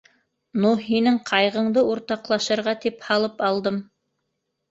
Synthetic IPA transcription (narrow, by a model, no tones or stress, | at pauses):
nuɦinɘŋqʰɑjʁɤ̆ɴd̪ɤuɾt̪ɑqlˠɑʃɤ̆ɾʁɑt̪iphɑlˠɤpɑlˠd̪ɤm